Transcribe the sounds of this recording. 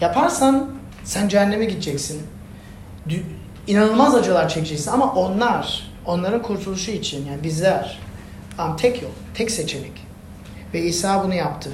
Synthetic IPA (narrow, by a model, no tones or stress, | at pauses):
japʰaɾsan | sænd͡ʒænːemɛɟid̪̚d͡ʒɛcsin | d̪ | inanɯlˠmazad͡ʒalˠaɾt͡ʃʰɛcd͡ʒɛcsinamaʔo̞nlˠaɾ̥ | o̞nlˠaɾɯnkʰuɾt̪ʰulˠuʃuit͡ʃʰinjaːnibizlʲæɾ̥ | amt̪ʰɛcʰjo̰kt̪ʰɛcset͡ʃʰemɛc | vɛiːsaːbunujapt̪ʰɯ